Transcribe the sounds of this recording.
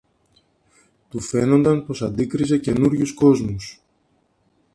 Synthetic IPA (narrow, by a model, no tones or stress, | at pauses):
t̪ufe̞no̞nd̪ɐnpo̞sɐnd̪ikɾize̞ce̞nuɾʝusko̞zmus